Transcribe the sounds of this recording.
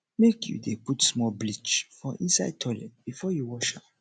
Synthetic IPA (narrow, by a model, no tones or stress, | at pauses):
mekjṵdeputsmɔlblit͡ʃfɹɔ̃ʔĩnsaɪd̚tʰɔlɛ̰̃tb̥ifɔjuwɔʃa